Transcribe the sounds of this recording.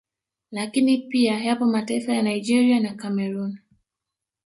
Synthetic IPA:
lakinipiajapɔmataifajanaid͡ʒɛɾianakamɛɾun

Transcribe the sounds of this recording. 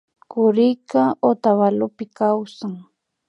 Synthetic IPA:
kʊɾɪjkaot̪aβalʊpɪkawsaŋ

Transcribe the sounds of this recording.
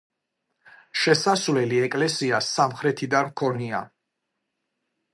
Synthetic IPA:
ʃɛsasvlɛliɛkʼlɛsiasamχɾɛt̪ʰid̪anmkʰɔnia̰

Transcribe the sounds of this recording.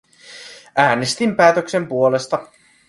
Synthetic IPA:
ʔæːnest̪impæːt̪økse̞mpuole̞st̪ɑ

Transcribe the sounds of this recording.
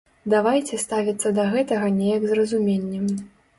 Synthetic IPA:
d̪avajt͡sʲɛst̪avʲɐt̪sːɐd̪ɐɣɛt̪ɐɣɐnʲɛjɐɡzrɐzumʲenʲːɛm

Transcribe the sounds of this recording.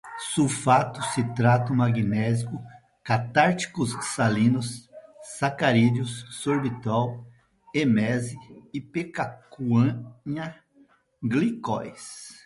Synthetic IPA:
sufat̪ʊsɪt̪ɾat̪ʊmaɡinɛzikʊ | kat̪aɾt͡ʃi̥kʊssalĩnʊsː | akaɾid͡ʒʊsːoɾbit̪aw | emɛzɪːpekakuɐ̃ɲɐ | ɡlikɔ̰js

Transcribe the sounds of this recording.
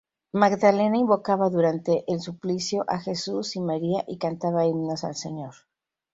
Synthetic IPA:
maɡðale̞naimbo̞kaβaðuɾant̪e̞ʔelsuplisjo̞ʔaxe̞susimaɾiaʔikant̪aβaimnasa̰lseɲo̞ɾ

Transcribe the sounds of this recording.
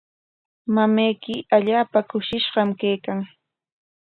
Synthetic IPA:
mamajkɪaʎaːpakʊʃɪʃɢɑmkajkaŋ

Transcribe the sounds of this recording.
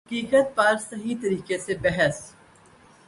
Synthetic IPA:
ɦɐkiːkət̪̚pɐɾsɐɦit̪ɐɾiːkesebɛɦəs

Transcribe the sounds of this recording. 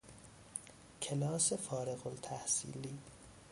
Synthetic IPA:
cʰe̞lɒːse̞fɒːɾeɣolt̪ʰæhsḭːliː

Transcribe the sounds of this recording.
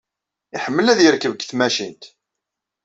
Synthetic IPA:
iħəmːəlæðjəɾkəvɡθmæʃint̪

